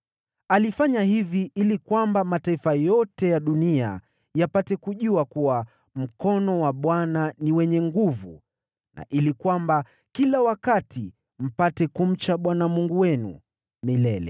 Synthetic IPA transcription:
alifaɲahiviʔilikwambamataifajɔtɛjaɗunia̰ | japatɛkuʄuakuwa | m̩kɔnɔwaɓwananiwɛɲɛŋɡuvṵ | na̰ʔilikwamba | kilawakatʰi | m̩patɛkum̩t͡ʃaɓwanamuŋɡuwɛnṵ | milɛlɛ̰

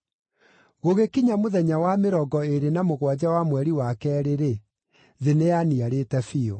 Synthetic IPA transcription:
ɣoɣekiɲamoðɛɲawameɾɔɡɔeɾenamoɣwad͡ʑawamwɛɾiwakɛɾeɾe | ðeneaniaɾetɛfio

